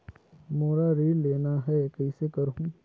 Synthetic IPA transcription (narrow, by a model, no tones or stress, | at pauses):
moːɾaɾeːlːeːnaɦɛkɛisekɐɾɦũː